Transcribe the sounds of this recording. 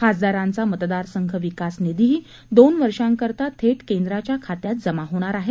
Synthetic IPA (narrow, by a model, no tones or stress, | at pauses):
kasd̪aɾãnt͡samət̪d̪aɾsəŋɡʰʱəʋikasned̪iɦiː | d̪onʋəɾʂãŋkəɾt̪at̪ʰeʈkend̪ɾat͡ɕjakʰat̪jat̪̚d͡zəmaɦoɽ̃aɾaɦe